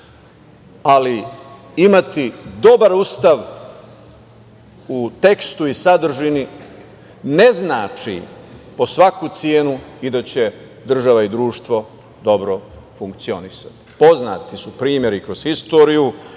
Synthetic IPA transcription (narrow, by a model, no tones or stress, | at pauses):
ali | imat̪id̪o̞baɾust̪aʋ | ut̪e̞kst̪uisad̪r̩ʒini | ne̞znaːt͡ʃḭpo̞sʋakut̪sjeːnuid̪at͡ɕe̞ | d̪r̩ʒaʋaid̪ɾuːʃt̪ʋo̞ | d̪o̞bɾo̞fuŋkt̪sio̞nisḁt̪i̥po̞zna̰ːt̪isupɾiːmje̞ɾikɾoz̥xist̪o̞ɾiju